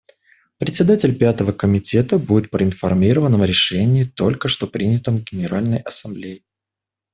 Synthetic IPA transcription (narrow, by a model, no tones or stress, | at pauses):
pɾʲɪt̪ʲsʲɪd̪atʲɪlʲpʲat̪əvəkəmʲɪtʲe̞t̪əbudʲɪt̪̚pɾəɪnfɐrmʲiɾəvənːəmɾʲɪʂɛnʲɪːt̪o̞lʲkəʂt̪o̞pɾʲinʲɪt̪əmɡʲɪnʲɪɾalʲnəjɐsɐmblʲejɪ